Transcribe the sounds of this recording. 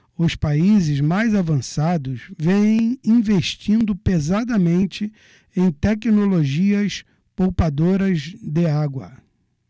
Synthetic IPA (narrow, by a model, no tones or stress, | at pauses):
ʊspaizɪzmajzavɐ̃sad̪ʊzvẽjẽj̃ĩveʃt͡ʃĩnd̪ʊpezad̪ɐmẽnt͡ʃɪ | ẽj̃t̪ɛknoloʒiɐs | powpad̪oɾɐzd̪ɪaɡwɐ̰